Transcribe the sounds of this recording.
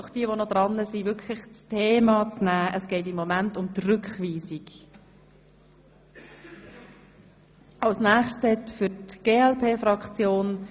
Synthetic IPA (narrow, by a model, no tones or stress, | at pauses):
ɔχd̥iəvonɔd̥̪ɾɑnːəsivʏkʰlɪχt͡stʰeːmɑt͡snæːʔəsɡ̥ɛɪt̬ɪmːomæntʊmtrʏkχʋiːsik | ʔɑwsnæːχʃtt͡sɛtfʏtɡ̥eːɛlpʰeːfɾɑkt͡sjoːn